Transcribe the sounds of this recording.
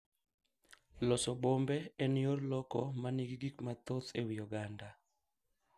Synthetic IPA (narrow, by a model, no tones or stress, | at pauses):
lɔsɔbombɛɛnɪorlɔkɔmaniɡiɡikmat̪ot̪ewijɔɡanda